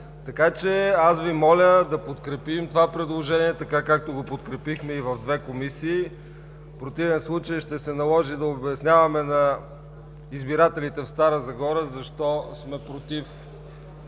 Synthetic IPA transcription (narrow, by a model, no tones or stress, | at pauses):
t̪ɐkat͡ʃɛasvimɔlʲəd̪ɐpot̪kɾɛpimt̪ovapɾɛd̪lˠoʒɛniɛt̪ɐkakak̚t̪oɡopot̪kɾɛpixmɛivɐvd̪vɛkomisiː | fpɾot̪ivɛnslˠut͡ʃəjʃt̪ɛsɛnɐlˠɔʒid̪ɐobɛsnʲavɐmɛnɐ | izbiɾat̪ɛlit̪ɛfst̪aɾəzɐɡɔɾəzɐʃt̪ɔsmɛpɾot̪if